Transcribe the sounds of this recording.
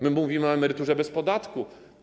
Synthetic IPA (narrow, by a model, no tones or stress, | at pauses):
mɘmuvʲimɘɔɛmɛɾɘt̪uʐɛbɛspɔd̪at̪ku